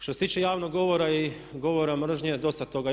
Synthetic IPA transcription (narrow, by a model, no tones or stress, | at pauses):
ʃt̪oset̪iːt͡ʃejaːʋnoɡɡo̞ʋo̞ɾai | ɡo̞ʋo̞ɾamr̩ʒɲed̪o̞st̪at̪o̞ɡa